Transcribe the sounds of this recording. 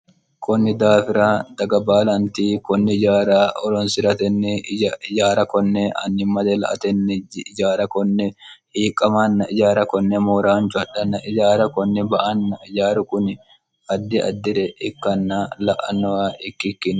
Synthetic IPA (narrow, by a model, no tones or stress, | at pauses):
kʰɔnːɪd̪aːfɪɾaːd̪ɐɡɐbaːlɐnt̪iːkɔnːɪd͡ʒaːɾaɔlɔnsɪɾɐt̪ɛnːɛd͡ʒaːɾɐkɔnːɛɐ̰nːɪmɐd̪ɛlɐ̰ʔɐ̰t̪ɛnːɛɪd͡ʒaːɾɐkɔnːɛhiːkʼːɐmɐnːɐɪd͡ʒaːɾɐkɔnːɛmɔːɾaːnt͡ʃʊɐᶑɐnːɐʔɪd͡ʒaːɾɐkɔnːɛbɐʔɐnːɐɪd͡ʒaːɾʊkʊnɪ | ɐd̪ːɪɐ̰d̪ːɪɾɛɪkːɐnːalɐʔɐ̰nːɔɐʔɪkːɪkːɪn